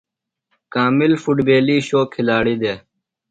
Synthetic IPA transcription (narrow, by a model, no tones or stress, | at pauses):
kaːmɪlfuʈbeːliːʃoːkʰːɪlaːɽiːd̪eː